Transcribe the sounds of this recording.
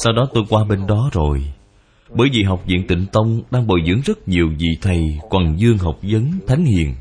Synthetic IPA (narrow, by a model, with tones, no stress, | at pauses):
sa˧wɗɔ˨˦t̪o˧jkwaː˧ɓe˧nɗɔ˨˦zo˨˩j | ɓəː˧˩jvḭ˨˩ɦa˨˩wk͡p̚zḭ˧˨ənt̪ḭ˧˨ŋ̟t̪ə˧wŋ͡mɗaː˧ŋɓo˨˩jzɨ̰˧˥əŋzə˦˥t̚ɲi˨˩əwzḭ˧˨t̪ʰə˨˩jkwa˨˩ŋzɨ˧əŋɦa˨˩wk͡p̚zə˨˦nt̪ʰa˨˦jŋ̟hḭ˧˨ən